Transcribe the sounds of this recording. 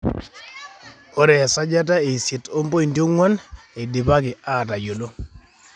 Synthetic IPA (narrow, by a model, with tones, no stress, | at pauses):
o˦ɾɛ˨sa˦d͡ʒa˦ta˦e˨sje˨to˦mbo˦i˨ndjo˦ŋwa˦n | e˨de˨ba˦kɪ˨a˦˨ta˨jo˨lo˦